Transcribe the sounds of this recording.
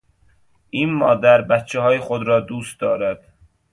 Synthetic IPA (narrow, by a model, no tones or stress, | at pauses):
ʔiːnmɒːd̪æɾbæt̪t͡ʃʰːeɦɒːjexod̪ɾɒːd̪uːst̪̚d̪ɒːɾæd̪̥